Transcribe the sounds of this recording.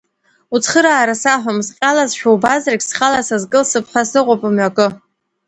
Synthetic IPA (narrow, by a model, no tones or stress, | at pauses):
ut͡sʰχəɾaːɾasaħʷᶣamsqʲʼalazʃᶣawbazrakʲsχalasazkʼɨlsɨpʰħasɨqʷʼopʼamɥakʼɨ